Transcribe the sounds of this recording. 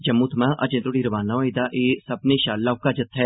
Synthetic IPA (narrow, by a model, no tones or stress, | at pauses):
d͡ʒəmːuːt̪ʰmãːʔəd͡ʒẽːt̪oɽiːɾəʋaːnãoid̪aːʔeːsəbnẽːʃaːlːaːʊkaːd͡ʒət̪ʰːɦɛː